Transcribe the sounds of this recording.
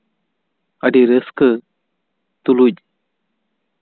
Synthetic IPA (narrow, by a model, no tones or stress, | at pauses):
əɖiɾəskə | t̪uluc̚